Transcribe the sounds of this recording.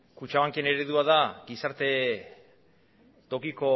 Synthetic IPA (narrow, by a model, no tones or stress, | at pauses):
kut͡ʃaβaŋkieneɾeðuaðaɡisaɾt̪e̞ | t̪o̞kiko̞